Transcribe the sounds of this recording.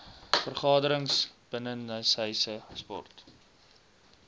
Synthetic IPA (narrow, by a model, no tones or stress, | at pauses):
fərχɑːdəɾəŋsb̥ənənːəsəjsəspɔ̰rt